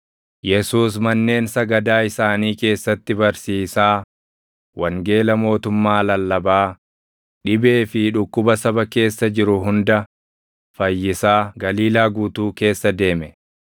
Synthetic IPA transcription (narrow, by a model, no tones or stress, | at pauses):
jɛsuːs̬mɐnːe̞ːnsɐɡɐd̪aːɪsaːniːke̞ːsːɐt̪ːɪbɐɾsiːsaː | wɐŋɡe̞ːlɐmo̞ːt̪ʊmːaːlɐlːɐbaː | ᶑɪbe̞ːfɪᶑʊkːʊbɐsɐbɐke̞ːsːɐd͡ʒɪɾʊɦʊnd̪ɐ | fɐjːɪsaːɡɐliːlaːɡuːt̪uːke̞ːsːɐd̪e̞ːmɛ